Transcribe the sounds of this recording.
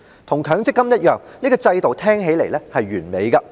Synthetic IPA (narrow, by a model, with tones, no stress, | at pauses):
t̪ʰʊ˨˩ŋkʰœː˨˥ŋt͡sɪ˥kːɐ˥mjɐ˥t̚jœː˨ŋniː˥kɔː˧t͡sɐ˧jt̪o˨wt̪ʰɛː˥ŋɦe˨˥jle˨˩jlɛː˥hɐ˨jɥyː˨˩nme˨˧jkɐ˧